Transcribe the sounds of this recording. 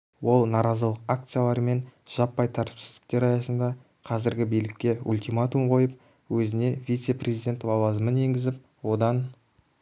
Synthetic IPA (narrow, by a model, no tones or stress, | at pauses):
wo̞lˠnɑɾɑzəlˠəqak̚t̪sɨjalˠɑɾme̞nʒ̥ɑpːɑjt̪ʰɑɾt̪ə̥psɪzd̪ɪ̥k̚t̪e̞ɾɑjɑsənd̪ɑ | qʰɑzɪɾɡʲɪbijlɪkʲːe̞ulʲt̪imat̪umqʰo̞jəp̚ | wɵzɪne̞vʲijt̪se̞prʲezijd̪ʲe̞nt̪wɑwɑzəməne̞ŋɡʲɪzɪp̚ | wo̞d̪ɑn